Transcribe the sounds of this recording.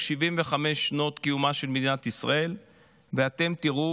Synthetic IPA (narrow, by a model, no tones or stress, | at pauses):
ʃivimveχame̞ʃːno̞t̪kijumaʃe̞lmed̪inat̪isʁa̰e̞l | veat̪e̞mt̪iʁu